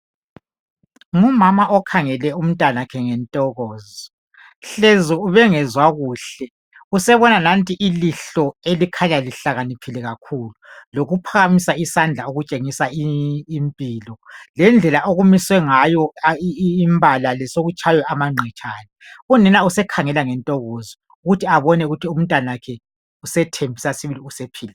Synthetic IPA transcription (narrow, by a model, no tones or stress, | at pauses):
ŋumamaʔɔkʰaŋɛlɛum̩tʼanakʰɛŋɛntʼɔɣɔːzɔ | ɬɛzɔuβɛŋɛzwaɣuːɬɛ | usɛβɔnanantʼiʔiliɬɔelikʰaɲaliɬaɣanipʰilɛɣakʰuːluloɣupʰaɣamisaisand͡ɮʱaoɣut͡ʃʼeŋisaiːmpʼiːlɔlɛnd͡ɮʱɛlaʔoɣumiswɛŋajɔː | mbʱalalɛsoɣut͡ʃʰajɛamaŋ͡ǀʱɛt͡ʃʰʼaːnɛunɛnausɛkʰaŋɛlaŋɛntʼɔɣɔzɔ | uɣutʰiaβɔnɛuɣutʰium̩ntʼwanawakʰɛ | usɛtʰembʱisasiβiliusepʰiːlɛ